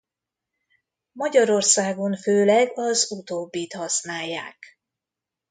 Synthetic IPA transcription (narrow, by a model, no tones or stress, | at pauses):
mɒɟɒɾo̞rsaːɡo̞ɱføːlɛɡɒzut̪oːbːiːt̪hɒsnaːjːa̰ːk